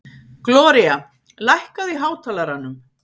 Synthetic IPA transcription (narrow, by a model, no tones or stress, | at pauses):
klɔːɾia | lajhkaðiɦaːwt̪ʰaːlaɾanːʏm